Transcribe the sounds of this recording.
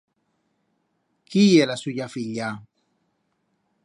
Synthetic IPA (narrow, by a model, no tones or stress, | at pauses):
kijɛlasujafiʎa